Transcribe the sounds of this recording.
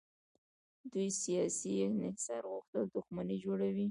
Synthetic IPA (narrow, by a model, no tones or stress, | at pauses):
d̪ujsijɑsinɪhsaɾɣʊxt̪əld̪ʊxmanid͡ʒoɽawi